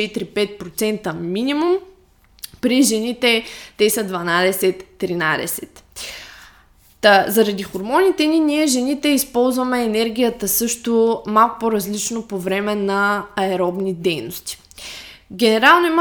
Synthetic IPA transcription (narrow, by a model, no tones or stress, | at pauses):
ɛt̪iɾipɛt̪̚pɾot̪sɛnt̪əminimum | pɾiʒɛnit̪ɛt̪ɛsəd̪vɐnad̪ɛsɛt̪ːɾinad̪ɛ̰sɛt̪ | t̪əzɐɾɐd̪ixoɾmɔnit̪ɛniniɛʒɛnit̪ɛispɔlˠzvɐmɛːnɛɾɡ̟ʲijət̪əsɤʃt̪omalˠkʊ̥poɾɐzlit͡ʃnopovɾɛmɛnɐːɛɾɔbnid̪ɛjnost̪i̥ | ɡʲɛnɛɾalˠnʊim